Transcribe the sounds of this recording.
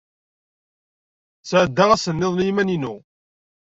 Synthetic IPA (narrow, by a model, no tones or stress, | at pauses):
sʕəd̪ːaʁæsənːeðˤnjimæninu